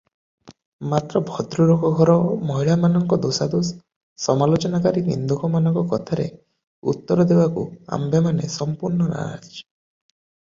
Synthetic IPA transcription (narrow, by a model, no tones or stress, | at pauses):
mat̪ɾɔbʱɔd̪ɾuɾɔkɔɡʱɔɾɔmɔɦiɭamanɔŋkɔd̪osad̪os | sɔmalot͡ʃɔnakaɾinḭnd̪ukɔmanɔŋkɔkɔt̪ʰaɾḛ | ṵt̪ːɔɾɔd̪ebakṵa̰mbemanesɔmpuɾnɔna̰ɾa̰d͡ʒt͡ʃɔ̥